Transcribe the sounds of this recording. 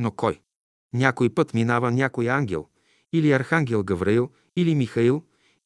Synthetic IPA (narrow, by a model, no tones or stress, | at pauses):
nokɔj | nʲakojpɤt̪minavənʲakojaŋɡʲɛ̰lˠ | iliɐɾxaŋɡʲɛlˠɡɐvɾɐilˠ | ilimixɐilˠ